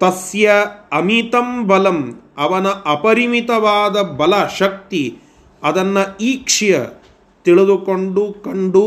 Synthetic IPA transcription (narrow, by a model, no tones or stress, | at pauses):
t̪ɐsjɐɐmit̪ɐmbɐlɐmɐʋɐnɐʔɐpɐɾimit̪ɐʋaːd̪ɐbɐlɐʃɐk̚t̪i | ɐd̪ɐnːɐiːkʂijɐ̰ | t̪iɭed̪ukoɳɖukɐɳɖu